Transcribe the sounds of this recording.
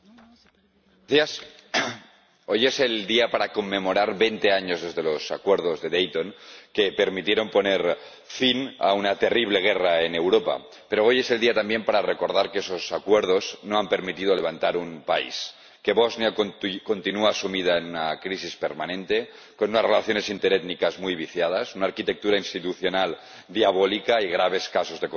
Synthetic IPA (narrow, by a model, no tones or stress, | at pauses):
θias | o̞je̞seld̪iapaɾako̞mːẽ̞mo̞ɾaɾβe̞jnt̪e̞aɲo̞zðe̞zðe̞lo̞sakwe̞ɾð̞ozðe̞ðejt̪o̞nke̞pe̞ɾmit̪je̞ɾo̞mpo̞ne̞ɾ | fina̰unat̪e̞riβ̞le̞ɣ̞e̞raene̞wɾo̞pa̰ | pe̞ɾoo̞je̞se̞ld̪iat̪ambjempaɾare̞ko̞ɾð̞aɾkeeso̞sakwe̞ɾð̞o̞znoampe̞ɾmit̪ið̞ole̞β̞ant̪aɾumpaḭs | ke̞βoznjako̞nt̪inuaːsumiðaenunakɾisispe̞ɾmanẽ̞nt̪e̞ | konunasrelaθjo̞ne̞sint̪eɾet̪nikazmujβ̞iθjað̞asunaːɾkit̪e̞k̚t̪uɾainst̪it̪uθjo̞nal | d̪iaβ̞olikaiɣ̞ɾaβ̞e̞skasozðe̞